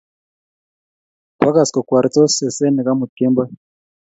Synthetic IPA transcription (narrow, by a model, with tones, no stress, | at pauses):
pa˦ka˨sko˨kwa˨ɾi˨t͡so˦se˨se˦ni˨ka˦mu˨te˦mba˦